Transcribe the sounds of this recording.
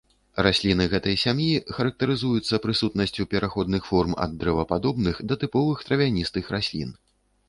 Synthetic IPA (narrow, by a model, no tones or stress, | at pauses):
rasʲlʲinɨɣɛt̪ɐjsʲamjixɐɾɐk̚t̪ɐɾɨzujut̪sːɐpɾɨsut̪nɐsʲt͡sʲupʲɛɾʔaxɔd̪nɨxfɔrmɐ̰d̪ːɾɛvɐpad̪ɔbnɨxd̪ɐt̪ɨpɔvɨxt̪ɾɐvʲanʲist̪ɨxɾasʲlʲḭn